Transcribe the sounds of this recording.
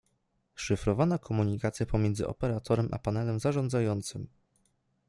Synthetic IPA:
ʂɘfɾɔvanakʰɔmuɲikat̪sʲjapɔmʲjɛnd̪zɘ̰ʔɔ̰pɛɾat̪ʰɔɾɛmʔa̰panɛlɛmzaʐɔnd̪zajɔnt̪sɘm

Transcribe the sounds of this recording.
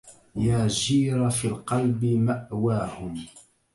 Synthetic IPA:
jaːd͡ʒiːɾˤafiːlqɑlbɪmaʔwaːhʊm

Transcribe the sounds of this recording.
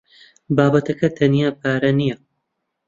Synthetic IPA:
baːbɐt̪ʰɐkɐt̪ʰɐnijaːpʰaːɾɐnijɐ

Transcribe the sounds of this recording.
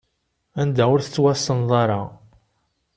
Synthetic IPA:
ænd̪æʊɾθə̥t͡sːwæsənðˤɑɾˤɑ

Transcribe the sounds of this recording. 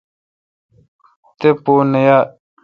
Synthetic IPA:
t̪eponɐja

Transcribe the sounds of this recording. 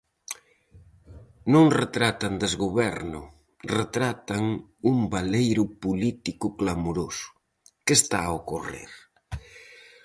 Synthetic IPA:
nõŋret̪ɾat̪and̪ezɣoβɛɾnʊ | ret̪ɾat̪aŋumbalejɾʊpulit̪ikʊklamoɾosʊ̥ | kest̪aaokorḛɾ

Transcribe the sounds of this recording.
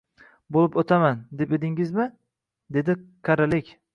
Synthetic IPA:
bolˠɪpot̪ʰamand̪ep̚ed̪ɪŋɪzmɪ | d̪e̞d̪ɪkʰaɾalekʲ

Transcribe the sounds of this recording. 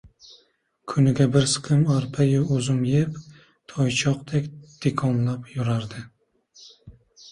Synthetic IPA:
kʰʊnɪɡʲabɪɾsɨ̥qʰɨmaɾpʰajɪɵzʊmjep | t̪ʰɒjt͡ʃʰɒqt̪ʰekʲd̪̥ekʰɒnlapjʊɾaɾd̪ɪ

